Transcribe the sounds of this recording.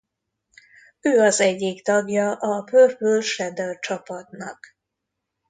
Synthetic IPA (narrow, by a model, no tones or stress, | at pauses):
øːɒzɛɟːikt̪ɒɡjɒʔɒpørbølʃɛd̪ɛlt͡ʃɒpɒt̪nɒ̰k